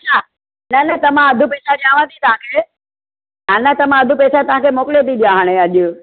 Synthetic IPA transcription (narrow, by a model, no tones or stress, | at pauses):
ɐt͡ɕʰa | nɐnɐt̪ɐmãɐd̪ʱupeːsaɗãːʋ̤ãt̪ʰit̪ɐʋ̤ãːkʰeː | anɐt̪ɐmãɐd̪ʱupeːsat̪ɐʋ̤ãkʰeːmoːkɪlet̪iɗijaɦaːɽ̃eɐʄʊ